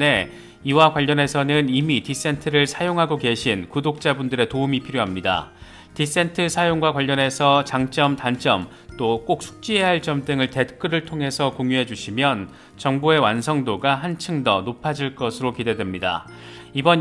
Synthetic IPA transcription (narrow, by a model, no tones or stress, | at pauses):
ne̞ | iwakwaʎːʌne̞sʰʌnɯnimitis͈e̞ntʰɯɾɯɭsʰajoŋɦaɡoke̞ɕʰinkudok̚t͡ɕ͈abundɯɾe̞toumipʰiɾjoɦamɲida̰ | tis͈e̞ntʰɯsʰajoŋɡwakwaʎːʌne̞sʰʌt͡ɕaŋt͡ɕ͈ʌmtant͡ɕ͈ʌm | t͈ok͈ok̚sʰu̥k̚t͡ɕ͈iɦe̞ɦaɭt͡ɕʌmdɯŋɯɭte̞t̚k͈ɯɾɯɭtʰoŋɦe̞sʰʌkoŋjuɦe̞d͡ʑuɕʰimjʌn | t͡ɕʌŋboe̞wansʰʌŋdoɡaɦant͡ɕʰɯŋdʌnopʰad͡ʑiɭk͈ʌsʰɯɾokide̞dwe̞mɲida̰ | ibʌn